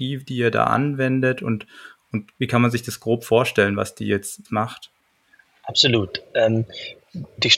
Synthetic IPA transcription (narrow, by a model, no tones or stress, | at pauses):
iːvd̥iːeːɐda̰ːʔa̰nvɛndətʰʊ̰ntʔʊntviːkʰanmanzɪçd̥asɡ̥ʁoːpfoːɐʃtɛlənva̰sd̥ḭːjɛt͡stmaχt | ʔapz̥oluːtʔɛːm | d̥iːʃ